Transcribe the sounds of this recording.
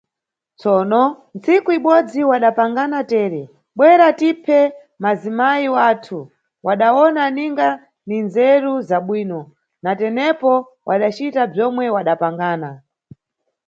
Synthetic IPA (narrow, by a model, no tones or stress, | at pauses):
t͡sɔːnɔ | nt͡sikuiɓɔd͡ziwaɗapaŋɡanatɛːɾɛ | ɓwɛɾatipʰɛ | mazimaiwaːtʰu | waɗawɔnaniŋɡa | ninzɛɾuzaɓwiːnɔ | natɛnɛpɔ | wʔaɗat͡ʃitab͡ʐɔmwɛwaɗapaŋɡaːna